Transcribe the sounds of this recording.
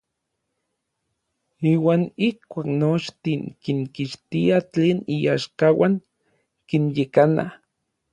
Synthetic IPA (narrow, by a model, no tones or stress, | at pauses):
iːwaːnihkʷaːknot͡ʃt̪iŋkiŋkiʃt̪iat͡ɬeːniaːʃkawaŋ | kinjekana̰